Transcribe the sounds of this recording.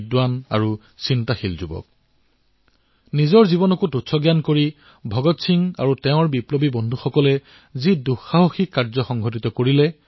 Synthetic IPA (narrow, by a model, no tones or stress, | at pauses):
dwana̰ɹu | sintaxilzubɔ̰k̚ | nizɔɹzibɔnɔkututsɔɡjankoɹi | bʱɔɡɔtsʰiŋa̰ɹutɛʊ̃ɹbiplɔbibɔndʱuxɔkɔlɛ | ziduxaɦoxikːaɹzɔxɔŋɡʱɔt̬it̪ɔkoɹilɛ